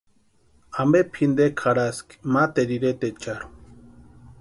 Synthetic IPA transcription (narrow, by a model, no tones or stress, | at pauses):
ambepʰind̪ekʰaɾaski̥mat̪eɾiɾet̪et͡ʃaɾu̥